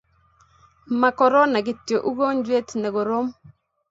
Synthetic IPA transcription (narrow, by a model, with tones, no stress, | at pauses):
ma˨kɔ˨ɾɔ˦na˨ɡɪ˨tjo˨ʔu˦ɡo˦ɲd͡ʒwe˦tnɛ˨ɡo˨ɾo˦m